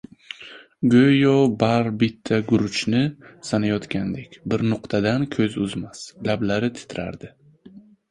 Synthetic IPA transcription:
ɡøjɒbaɾbɪt̪ʰːaɡʊɾʊt͡ʃʰnɪsanajɒt̪kʲand̪ekʲbɪɾnʊqt̪ʰad̪ankʲʰɵzʊzmaslablaɾɪt̪ʰɪ̥t̪ʰɪɾa̰ɾd̪ɪ

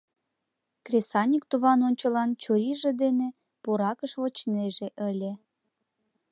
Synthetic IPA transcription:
krʲesɑnʲikt̪uβɑnonʲt͡ɕəlɑnt͡ɕoɾiʒed̪ene | puɾɑkəʃβot͡ɕneʒeʔəlʲe

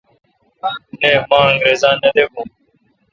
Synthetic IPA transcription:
nẽːmãːəŋɡɾeːzãːnẽːɗ̪eːkũː

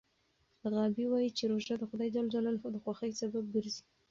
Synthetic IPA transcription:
d̪əɣɑbiwɑjit͡ʃeɾoʒad̪əxʊd̪ɑjd̪ald͡ʒalalod̪əxwɑxəksabab̚ɡəɾzi̥

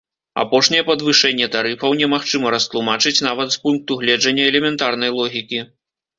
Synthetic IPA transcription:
a̰pɔʂnʲɛjɛpɐd̪vɨʂɛnʲːɛt̪aɾɨfɐwnʲɛmaxt͡ʂɨmɐɾɐst̪lˠumat͡ʂɨt͡sʲnavɐt̪spunk̚t̪uɣlʲɛd͡ʐɐnʲːɐɛlʲɛmʲɛnt̪arn̪ɐjlˠɔɣʲikʲi

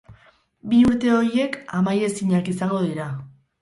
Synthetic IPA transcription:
biuɾt̪e̞o̞ɾje̞kamaje̞siɲakisaŋɡo̞ðiɾa

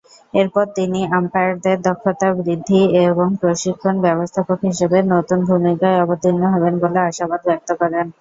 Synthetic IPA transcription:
eɾpɔɾt̪iniampaɾd̪eɾd̪ɔkʰːot̪abɾid̪ʱːieboŋpɾoʃikʰːonbɛbost̪ʰapokɦiʃebenot̪unbʱumikaeɔbot̪inːoɦɔbenboleaʃabad̪bɛk̚t̪okoɾen

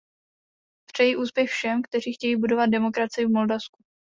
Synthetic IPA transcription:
pr̝̥ɛjiʔuːspjɛxfʃɛmkt̪ɛr̝iːxcɛjiːbudo̞vad̪̚dɛmo̞kɾat͡sɪɪvmo̞ldafsku

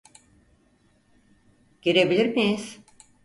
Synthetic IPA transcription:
ɟ̥eɾebilʲiɾmijiz̥

